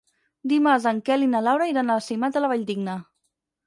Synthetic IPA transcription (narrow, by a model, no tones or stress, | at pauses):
d̪imazaŋkɛlinalawɾaiɾanasimat̪əlaβaʎd̪iɡnə